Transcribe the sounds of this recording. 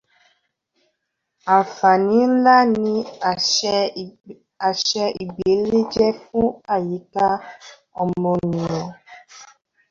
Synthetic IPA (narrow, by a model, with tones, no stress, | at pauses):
a˨fa˨nĩ˦la˦nĩ˧˨ | a˨ʃɛ˦ʔi˨ɡ͡be˨˦le˦d͡ʒɛ˦fũ˦a˨ji˨˦ka˦ | ɔ˨mɔ˨ni˨ɔ̃˨